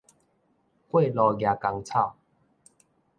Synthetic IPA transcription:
kwe˥˨lɔ˧ɡja˨˩ka˧ŋt͡sʰa˥˧˨w

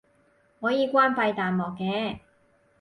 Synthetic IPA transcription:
hɔː˨˥jiː˨˧kʷwaː˥npɐ˧jt̪aː˨nmɔː˨kːɛː˨˧

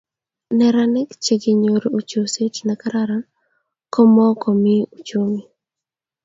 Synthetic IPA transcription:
nɛ˨ɾa˦nɛ˦kt͡ʃe˨ɡi˨ɲo˨ɾo˨t͡ʃo˨se˦t͡ʃna˨ka˦ɾa˦ɾa˦n | kɔ˦mɔ˦kɔ˨mi˦ut͡ʃo˦mi˨

